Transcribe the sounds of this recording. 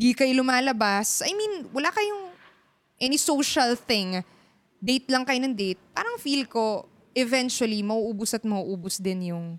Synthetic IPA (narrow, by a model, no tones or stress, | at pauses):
d̪ikɐjolʊmaːlɐbasʔɐjminwɐlaːkɐjʊŋ | ʔɛnisoʃɐlθɪŋ | d̪ejt̪̚lɐŋkɐjonɐŋd̪ejt̪̚pa̰ːɾɐŋfilko̞ | ʔɛvɛnt͡ʃʊwɐlimɐʔuːʔuːbʊsɐt̪̚mɐʔuːʔuːbʊsd̪ɪnjʊŋ